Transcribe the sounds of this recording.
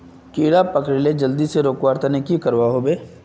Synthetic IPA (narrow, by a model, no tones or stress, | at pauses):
kiːɽapɐkɾiled͡ʒɐld̪iseɾoːkwaːɾt̪anekikɐɾwaɦobeː